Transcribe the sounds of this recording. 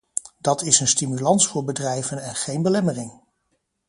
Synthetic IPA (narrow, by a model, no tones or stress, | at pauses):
d̥ɑtɪsənstimylɑnsfʊːɹbədrɛjvənɛnχejnbəlɛmərɪŋ